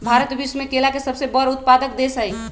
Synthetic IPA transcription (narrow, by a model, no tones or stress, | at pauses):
bʱaːɾət̪bismẽkelakesəbsebəɾʊt̪pad̪ək̚d̪esəɦi